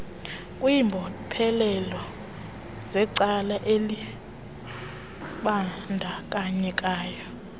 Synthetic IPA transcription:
kʼwimbʱɔpʰɛlɛlɔ | zɛǀalaʔeli | ɓandʱakʼaɲɛkʼaːjɔ

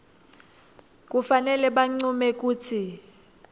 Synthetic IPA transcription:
k̬ʼufanɛlɛɓaŋ͡ǀumɛk̬ʼuːt͡sʰi

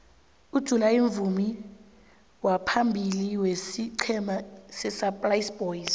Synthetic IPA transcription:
ud̥ʱulaiɱvumi | wapʰambʱiliwesiǀʰɛmasɛsapʼlajsb̥ɔiz

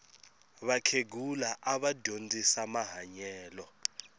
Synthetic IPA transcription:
ɓakʰeɡʱulaʔaɓad̥ʱont͡sʼisamaɦaɲɛːlɔ

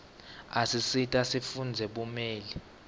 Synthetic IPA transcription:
asisitʼasifund͡zʱɛɓumɛːli

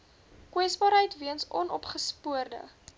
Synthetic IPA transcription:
kwɛsbɑːɾɦəjtviənsɔnɔpχəspuərdə̰

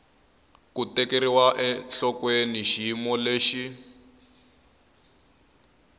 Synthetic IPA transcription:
kutɛkeɾiwaʔɛɬɔkweniʃiimɔleːʃi

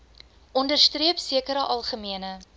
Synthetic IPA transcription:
ʔɔndərstriəpsiəkəɾəʔɐlˠχəmiənə

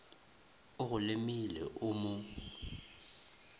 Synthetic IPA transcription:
ʊɣʊlɪmilɛ̰ʔʊmʊ

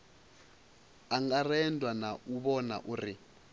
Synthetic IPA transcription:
aŋɡarɛndʼʱwanauɓɔna̰ʔuːri

